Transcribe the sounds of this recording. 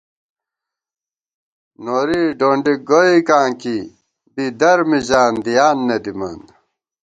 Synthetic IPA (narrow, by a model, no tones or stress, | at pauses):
noːɾiɖoːɳɖiɡoikaːŋki | bid̪ɐɾmiʑaːnd̪ijaːnːed̪imɐ̰n